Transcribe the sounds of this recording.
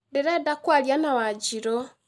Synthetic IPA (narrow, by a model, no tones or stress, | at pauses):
deɾedakwaljanawad͡ʒiɾo